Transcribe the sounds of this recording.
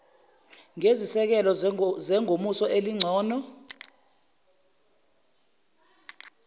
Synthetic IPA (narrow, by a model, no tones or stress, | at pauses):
ŋezisɛk̬ɛlɔzɛŋʱomusɔʔeliŋ͡ǀʱɔːnɔ